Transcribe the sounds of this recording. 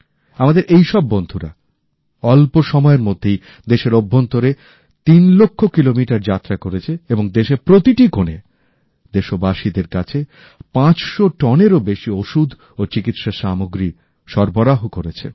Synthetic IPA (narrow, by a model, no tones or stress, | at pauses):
amad̪eɾʔejʃɔbːond̪ʱuɾa̰ | ɔlpoʃɔmɔeɾmod̪ʱːej | d̪eʃeɾobʱːont̪oɾe | t̪inlokʰːokilomiʈaɾd͡ʑat̪ːɾakoɾet͡ɕʰeeboŋd̪eʃepɾot̪iʈikone | d̪eʃobaʃid̪eɾkat͡ɕʰe | pãt͡ɕʃoʈɔneɾobeʃioʃud̪ʱ | ot͡ɕikit̪ʃaʃamoɡɾi | ʃɔɾboɾaɦokoɾet͡ɕʰḛ